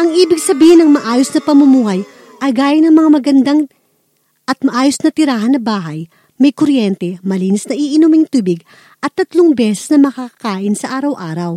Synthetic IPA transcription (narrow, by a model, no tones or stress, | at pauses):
ʔɐŋʔiːbɪɡsɐbiːhɪnɐŋmɐʔaːjosnɐpɐmʊmuːhɐj | ʔɐjɡaːjɐnɐŋmɐŋamɐɡɐnd̪aŋ | ʔɐt̪̚mɐʔaːjosnɐt̪ɪɾaːɦɐnɐbaːɦɐj | mɐjkoɾjɛnt̪ɛmɐliːnɪsnɐʔiʔɪnumɪŋt̪uːbɪɡ | ʔɐt̪ːɐt̪loŋbɛːsɛ̥snɐmɐkakɐkaːʔɪnsɐʔaːɾɐwʔaːɾɐw